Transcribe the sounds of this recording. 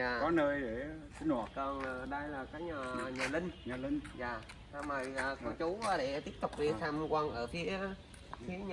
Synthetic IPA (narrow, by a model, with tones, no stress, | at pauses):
aː˨˩kɔ˨˦nəː˧jɗe˧˩t͡ɕi˨˦ŋ̟haː˨˩kəː˧˩n˨˩ɗə˧jlaː˨˩kaː˨˦jɲaː˨˩ɲaː˨˩lï˧ŋ̟ɲaː˨˩lï˧ŋzaː˨˩ | saː˧wməː˨˩jəː˨˩kə˧t͡ɕu˨˦waː˨˦ɗe˧˩t̪i˦˥əp̚t̪ʊ˨˩k͡p̚vi˧˩t̪ʰaː˧m˧kwə˧nʔəː˧˩fi˨˦ə | fi˨˦əɲ